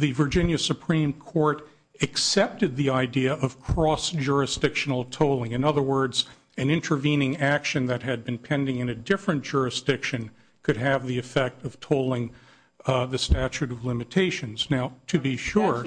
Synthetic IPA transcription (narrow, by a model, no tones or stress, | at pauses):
ðɨvə˞d͡ʒɪ̃njɨsɨpʰɹ̥ĩmkʰɔɹɾ | ɨksɛp̚tɨd̪̚ðiaɪdiɨʔʌv̥kʰɹ̥ɔsd̥ʒʊɹɨsd̥ɪkʃnl̩ˠtʰoʊlˠɪ̃ŋɨ̃nʌðə˞wɜ˞dz | ɨ̃nɪ̃ntʰə˞vĩnɪ̃ŋækʃɨ̃nðɨt̚ɦɨd̚bɨ̃npʰɛ̃ndɪ̃ŋɨ̃nɨdɪfɹɨ̃nd̥ʒ̥ʊɹɨsd̥ɪkʃɨ̃n | kʰɨɾ̚ɨvðiɨfɛk̚tʌv̥tʰoʊlˠɪ̃ŋ | ðɨstæt͡ʃʉɾʌvlɪ̃mɨtʰeɪʃɨ̃nz̥naʊɾʰɨbiʃʊɹ